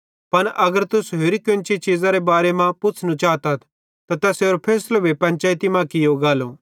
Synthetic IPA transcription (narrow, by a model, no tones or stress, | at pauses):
pɐnʔɐɡəɾt̪ʊsɦeːɾikɪnt͡ʃit͡ʃiːzaɾebaːɾemãpʊtt͡sʰnũt͡ʃaːt̪ɐt̪ʰ | t̪at̪ɛseoːɾpʰeːslobʱipɐ̃nt͡ʃaːjt̪imãkɪjoɡaːlo